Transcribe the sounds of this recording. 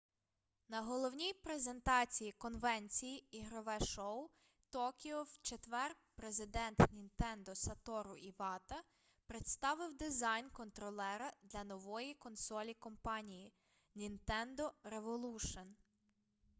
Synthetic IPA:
nɐɦɔlˠɔwnʲijpɾeze̞nt̪ɑt͡sʲijikɔnʋɛnʲt͡sʲijiiɦɾɔʋɛʃɔw | t̪ɔkʲiɔwt͡ʃet̪ʋɛr | pɾezɪd̪ɛnt̪nʲint̪ɛnd̪ɔsɐt̪ɔɾʊiʋɑt̪ɐ | pɾet̪st̪ɑʋɪwd̪ɪzɑjnkɔnt̪ɾɔlˠɛɾɐd̪lʲɐnɔʋɔjikɔnsɔlʲikɔmpɑnʲiji | nʲint̪ɛnd̪ɔɾeʋɔlˠuʃɔn

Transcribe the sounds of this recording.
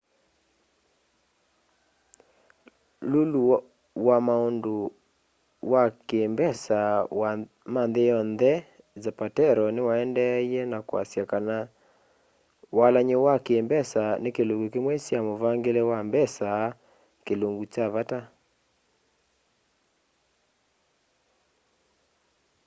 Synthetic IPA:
lolu | wamaondo | wakembɛsawa | manðejɔnðɛ | zapatɛɾɔnewaɛndɛiɛnakwa̰sjakana | walaɲewakeːmbɛsanekeloŋɡukemwɛsjamovaŋɡelewambɛsa | keloŋɡut͡ʃaβata

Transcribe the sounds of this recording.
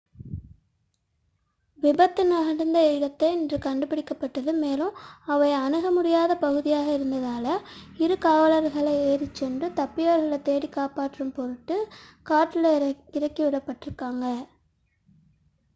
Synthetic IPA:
ʋɪbɐt̪ːɯnɐɣɐɽɯnd̪ɐɪɽɐt̪ːɐɪɛndrɯkɐɳɖɯpːɪɽɪkːɐpːɐʈːɐðɯmeːlɯ̃ɐʋɐɪɐnɯɣɐmʊɽɪjaːðɐpɐɣɯðɪjaːɣɐɪɾɯnd̪ɐðaːlɐɪɾɯkaːʋɐlɐɾɣɐɭɐɪeːɾɪt͡ʃːɛndrɯt̪ɐpːɪjaːɾɣɐɭɐt̪ːeːɽikːaːpaːʈːɾɯmpɔɾɯʈːɯkaːʈːɪlɐɪɾɐkːiʋɪɽɐpːɐʈːɪɾɯkːaːŋɡɐ

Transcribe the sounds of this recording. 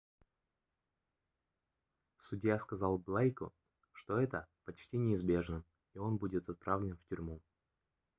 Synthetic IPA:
sʊdʲjaskɐzɑlˠblˠajkʊ̰ | ʂt̪o̞ɛt̪əpɐt͡ɕtʲinʲɪːzbʲe̞ʐnə | io̞nbudʲɪt̪ɐt̪̚pɾavlʲɪnftʲʏɾʲmu

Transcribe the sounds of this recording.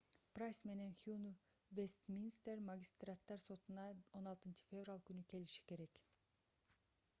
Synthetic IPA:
prajsme̞ne̞nxjun | vest̪mʲinst̪eɾmaɡʲist̪rat̪ːɑɾso̞t̪unɑo̞nɑlˠt̪ɯnt͡ʃɯ̥fʲe̞vralˠkynyke̞liʃi̥ke̞ɾe̞k

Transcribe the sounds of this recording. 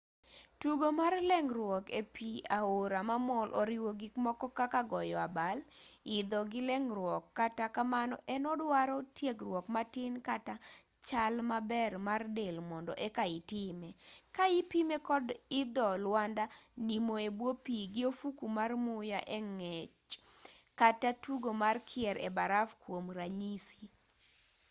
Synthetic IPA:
tuɡomarlɛŋɾwɔkepʰiaoɾamamɔlʔɔɾɪwoɡɪkmɔkɔkakaɡɔjɔabalɪd̪ɔɡɪlɛŋrwɔkːatakamanɔ̰ʔɛnɔdwaɾɔtjeɡrwɔkmatɪnkata | t͡ʃalmabɛrmardelmɔndɔʔɛkaɪtɪmekaɪpimekɔdɪd̪ɔlwandanimoebwopiɡɪofukumarmʊjaʔɛŋɛt͡ʃ | katatuɡomarkʰɪɛɾɛ̰baɾafkwomɾaɲisi

